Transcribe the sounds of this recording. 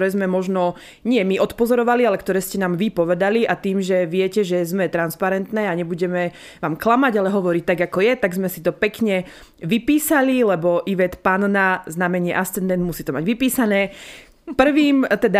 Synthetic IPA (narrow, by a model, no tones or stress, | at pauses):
ɾɛːzmɛmɔʒnɔ | ɲɪɛmiʔɔt̪pɔzɔɾɔʋalialɛkt̪ɔɾɛːscɛnaːmʋipɔʋɛd̪aliʔat̪iːmʒɛʋɪɛcɛʒɛzmɛt̪ɾanspaɾɛnt̪nɛːaɲɛbuɟɛmɛ | ʋaːmklamaɟalɛɦɔʋɔɾiːt̪aɡakɔjɛt̪aɡzmɛsi̥t̪ɔpɛkɲɛ | ʋipiːsalilɛbɔʔiʋɛt̪pannaznamɛɲɪɛʔast͡sɛnd̪ɛnd̪musiːt̪ɔmaɟʋipiːsanɛː | pr̩ʋiːmt̪ɛd̪a